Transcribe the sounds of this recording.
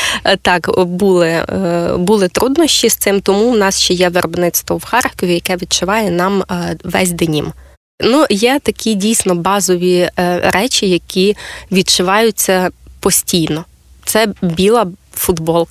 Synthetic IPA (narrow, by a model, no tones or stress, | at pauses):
t̪ɑkbulˠɪ | bulˠɪt̪ɾud̪nɔʃt͡ʃist̪sɪmt̪ɔmuwnɑsʃt͡ʃɛjɛʋerbnɪt̪st̪ʋɔwxɑrkɔʋʲijɐkɛʋʲid̪̚t͡ʃʊʋɑjɛnɑmʋɛzʲd̪enʲḭm | nujɛt̪ɐkʲidʲijsʲnɔbɑzɔʋʲiɾɛt͡ʃʲijɐkʲiʋʲid̪̚t͡ʃʊʋɑjʊt͡sʲːɐpɔsʲtʲijnɔ | t̪sɛbʲilˠɐfʊd̪bɔlˠ